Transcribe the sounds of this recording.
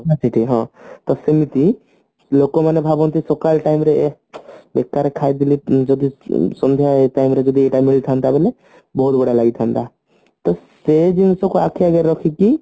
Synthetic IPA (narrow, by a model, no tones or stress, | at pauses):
pasʰiʈiɦɔ̃t̪ɔsemit̪i | lokomanebʱabɔ̃nt̪isokalʈaimɾe | bekːaɾekʰaid̪ilid͡ʒɔd̪isɔnd̪ʱjaʈaimɾed͡ʒɔd̪ieʈamiɭt̪ʰand̪abɛle | bɔɦut̪bəɽalaɡit̪ʰant̪a | t̪ɔsed͡ʒinsɔ̃koakʰeəɡeɾɾɔkʰiki